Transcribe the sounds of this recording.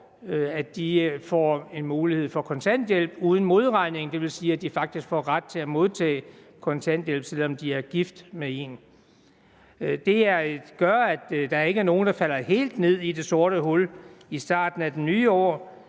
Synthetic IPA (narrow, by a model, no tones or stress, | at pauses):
æd̥ifɒe̝nmuːlihe̝ð̰ˠfɒ̽kʰɒ̽nt͡sʰæn̰d̥jel̰b̥uːð̞ˠn̩mo̝ð̞ˠʁɑ̈ɪ̰ne̝ŋ̩d̥e̝ʋe̝lsiːæd̥ifɑ̈ɡ̥̚d̥isɡ̥fɒːʁad̥̚t͡sʰe̝æmo̝ð̞ˠt͡sʰɛ̰ː | kʰɒ̽nt͡sʰæn̰d̥jel̰b̥selɒ̽md̥iæɐɡ̥ifd̥mee̝n | d̥e̝æɐɡ̥ɶɐæ̥d̥ɑ̈æɐe̝ɡ̥æɐno̝ːn̩d̥ɑ̈fæl̰ɐhe̝̰ːld̥ne̝ð̞̰ˠid̥e̝so̝ɐɾəɦɔlisd̥ɑ̰̈ːd̥n̩æd̥enyːɒ̰ː